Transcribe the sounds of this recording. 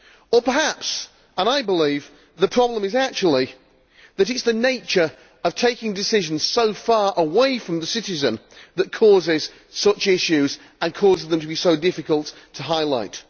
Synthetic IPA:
əpə˞hæps | ə̃naɪbəliv | ðəpʰɹ̥ɑblə̃mɨzæk̚t͡ʃul̩ˠi | ðɨɾɨtsðɨneɪt͡ʃə˞ | ʌv̥tʰeɪkɪ̃ŋdɨsɪʒɨ̃n̩z̥soʊfɑɹʔəweɪfɹʌ̃mðəsɪɾɨzɨ̃nðɨt̚kʰɔzɪz̥ | sʌt͡ʃɪʃʉz | ə̃nkʰɔzɪzðə̃mtʰəbisoʊdɪfɨkəlˠtʰəɦaɪlaɪt̚

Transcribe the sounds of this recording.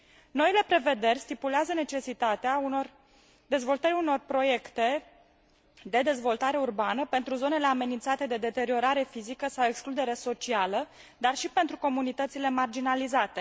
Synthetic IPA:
no̞ile̞pɾe̞ve̞d̪e̞rʲst̪ipuleazəne̞t͡ʃe̞sit̪at̪eaunor | d̪e̞zvo̞lt̪əɾʲuno̞rpɾo̞je̞kt̪e̞ | d̪e̞d̪e̞zvo̞lt̪aɾe̞urbanəpe̞nt̪ɾuzo̞ne̞le̞ame̞nint̪sat̪e̞d̪e̞d̪e̞t̪e̞ɾio̞ɾaɾe̞fizikəsawe̞ksklud̪e̞ɾeso̞t͡ʃialə | d̪arʃipe̞nt̪ɾuko̞munit̪ət̪sile̞mard͡ʒinalizat̪e̞

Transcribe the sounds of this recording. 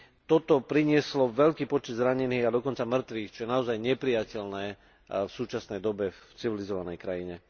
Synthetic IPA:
t̪ɔt̪ɔpɾiɲɪɛslɔʋɛʎkiːpɔt͡ʃɛd̪zɾaɲɛniːɣad̪ɔkɔnt͡samr̩t̪ʋiːxt͡ʃɔjɛnaɔzajɲɛpɾijacɛlnɛː | fsuːt͡ʃasnɛjd̪ɔbɛft͡siʋilizɔʋanɛjkɾajiɲɛ

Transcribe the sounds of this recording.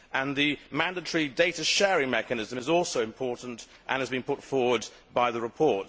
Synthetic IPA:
ʔə̃nðɨmæ̃ndətəɹideɪtəʃɛɹɪ̃ŋmɛkənɪzə̃mɨzɔˑlˠsoʊɨ̃mpʰɔɹʔn̩t | ʔə̰̃nɨzbɨ̃npʰʊtfɔɹwəd̚ | baɪðəɹɪpʰɔɹt

